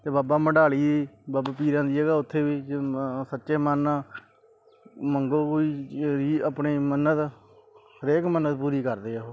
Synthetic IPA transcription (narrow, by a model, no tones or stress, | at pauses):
t̪eːbaːbaːməɖaːliːiːbaːbaːpiːɾãːd̪iːɛːɡaːʊt̪ʰːeːʋiːsətːʃeːmənaː | məŋɡoːɦoːiːɾiːəpɳeːmənət̪ | həɾeːkmənət̪puːɾiːkəɾd̪eːoː